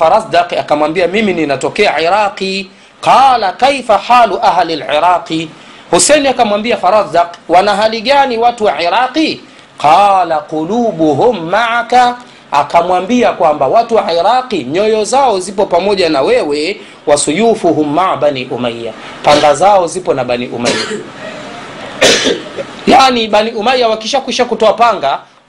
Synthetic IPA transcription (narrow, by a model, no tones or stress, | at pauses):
faɾasd̪aqakamwambiamimininatɔkɛaʕiɾaqi | qɑːlakejfaħaːluʔaɦalalʕiɾaːqi | husɛniakamwambiafaɾazdaqwanaɦaliɠaniwatuwaʕiɾaqi | qɑːlaquluːɓuɦumːaʕaka | akamwambiakwambawatuwaʕiɾaqiɲɔjɔzaɔzipɔpamɔʄanawɛwɛ | wasujufuɦumːaʕɓaniʔumajːa̰ | paŋɡazaɔzipɔnaɓanḭʔṵmajja | jaːniɓaniʔumajːawakiʃakwiʃakutɔapaŋɡa